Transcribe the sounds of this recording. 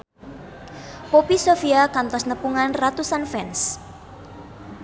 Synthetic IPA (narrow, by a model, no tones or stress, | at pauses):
popisofiakant̪ɔsnəpuŋanrat̪usanfɛns